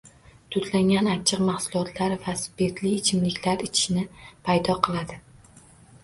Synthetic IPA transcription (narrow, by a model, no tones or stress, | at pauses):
t̪ʰʊt̪laŋʲanat͡ʃʰːɪqmahsʊlˠɒt̪ʰlaɾvaspet̪lɪːt͡ʃʰɪmlɪkʲlaɾɪt͡ʃʰɪ̥ʃnɪpʰajd̪ɒqʰɨlˠad̪ɪ